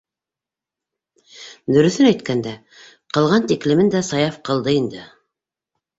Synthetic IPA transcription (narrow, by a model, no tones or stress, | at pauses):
d̪ɵ̆ɾɵ̆θɵɘnæjt̪kænd̪æ | qɤ̆lˠʁɑnt̪iklɘ̆mɘnd̪æsɑjɑfqɤ̆lˠd̪ɤind̪ɘ